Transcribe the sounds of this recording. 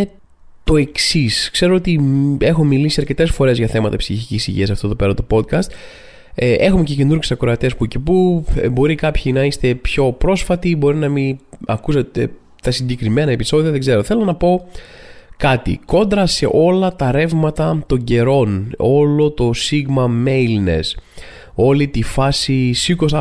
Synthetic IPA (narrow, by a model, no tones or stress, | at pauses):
t̪o̞e̞ksiskse̞ɾoot̪ie̞xo̞milisiɐɾce̞t̪e̞sfo̞ɾe̞zʝɐθe̞mɐt̪ɐepsiçicisḭʝḭɐs̬ɐft̪oðo̞peɾɐt̪opo̞t̪̚kɐst̪ | ʔe̞xume̞cece̞nuɾɣesɐkɾoɐt̪espucipubo̞ɾikɐpçinɐist̪e̞pço̞pɾo̞sfɐt̪ibo̞ɾinɐmiɐ̰kusɐt̪e̞ | t̪ɐsiɲɟe̞kɾime̞nɐepiso̞ðiɐðeɡze̞ɾoθe̞lo̞nɐpo̞ | kɐt̪ḭko̞nd̪ɾɐse̞̰ʔo̞lɐt̪ɐɾe̞vmɐt̪ɐt̪o̞ɲɟe̞ɾo̞no̞lo̞t̪o̞siɣmɐme̞lne̞̰s | o̞lit̪ifɐsisikosɐ